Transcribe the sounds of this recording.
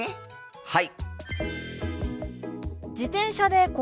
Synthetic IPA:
e | hai | d͡ʑit̪ẽ̞ɰ̃ɕad̪e̞ko

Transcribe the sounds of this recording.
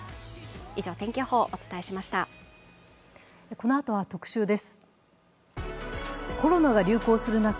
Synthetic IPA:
iʑo̞ːt̪ẽ̞ŋkʲo̞ːho̞ːʔot͡sɨ̥t̪ae̞ɕimaɕi̥t̪a | ko̞no̞at̪o̞β̞at̪o̞kɯ̟̥ɕɨːd̪e̞sɨ̥ | kʰo̞ɾo̞naɡaɾʲɨːko̞ːsɨɾɯ̟nak

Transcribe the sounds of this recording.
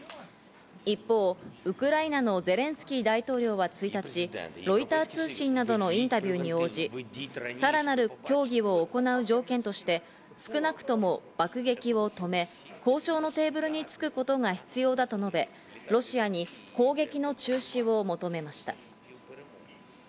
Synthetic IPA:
ipːo̞ːɯ̟kɯ̟ɾainano̞ze̞ɾẽ̞ɰ̃sɨ̥kʲiːd̪ait̪o̞ːɾʲo̞ːβat͡sɨit̪at͡ɕiɾo̞it̪aːt͡sɨːɕĩnːad̪o̞no̞ĩnt̪abʲɯːɲ̟io̞ːd͡ʑisaɾanaɾɯ̟kʲo̞ːɡʲiβo̞ːko̞naɯ̟ʑo̞ːkẽ̞nt̪o̞ɕi̥t̪e̞ | sɨ̥kɯ̟nakɯ̟̥t̪o̞mo̞b̥akɯ̟ɡe̞kʲiβo̞t̪o̞me̞ | ko̞ːɕo̞ːno̞t̪e̞ːbɯ̟ɾɯ̟ɲ̟it͡sɨ̥kɯ̟ko̞t̪o̞ŋaçi̥t͡sɨjo̞ːd̪at̪o̞no̞be̞ | ɾo̞ɕiaɲ̟iko̞ːɡe̞kʲino̞t͡ɕɨːɕiβo̞mo̞t̪o̞me̞maɕi̥t̪a̰

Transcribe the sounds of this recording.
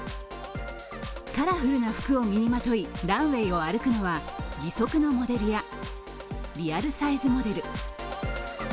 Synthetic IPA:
kaɾaɸɯ̟ɾɯ̟naɸɯ̥kɯ̟o̞mʲiɲ̟imat̪o̞iɾãɰ̃e̞io̞aɾɯ̟kɯ̟no̞βaɡʲiso̞kɯno̞mo̞d̪e̞ɾɯ̟ja | ɾʲiaɾɯ̟saizɨmo̞d̪e̞ɾɯ̟

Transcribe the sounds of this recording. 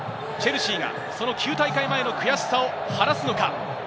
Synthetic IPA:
t͡ɕe̞ɾɯ̟ɕiːɡa̰ | so̞no̞kʲɨːt̪aikaimae̞no̞kɯ̟jasi̥sao | haɾasɨno̞ka

